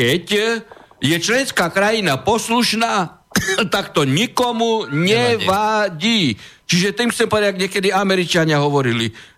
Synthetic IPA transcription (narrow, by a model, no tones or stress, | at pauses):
kɛc | jɛt͡ʃlɛnskaːkɾajinapɔsluʃnaːt̪akt̪ɔɲikɔmuɲɛʋaɟiːt͡ʃiʒɛt̪imxsɛmpɔd̪aaɡɲɛkɛd̪iamɛɾit͡ʃaɲɪaɦɔʋɔɾili